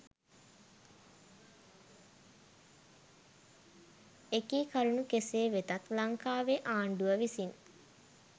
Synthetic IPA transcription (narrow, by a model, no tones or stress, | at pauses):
ekiːkaɾunukeseːʋet̪ɐt̪laŋkaːʋeʔaːɳɖuʋəʋisin